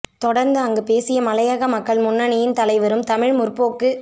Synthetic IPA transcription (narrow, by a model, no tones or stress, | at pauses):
t̪ɔɽɐɾnd̪ɯɐŋɡɯpeːsɪjɐmɐlɐjaɣɐmɐkːɐɭmʊnːɐɳɪjɪnt̪ɐlɐɪʋɐɾɯmt̪ɐmɪɻmʊrpːoːkːɯ